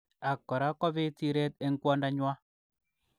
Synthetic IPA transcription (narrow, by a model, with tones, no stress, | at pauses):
a˨kːɔ˨ɾa˦kɔ˦βɪ˦ti˦ɾe˦t̪̚e˦ŋ˦kwɔ˦nda˦ɲwa˦